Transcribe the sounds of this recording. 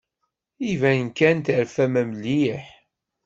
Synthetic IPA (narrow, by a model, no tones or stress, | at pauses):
ivænnkænt̪əɾfæmæmliħ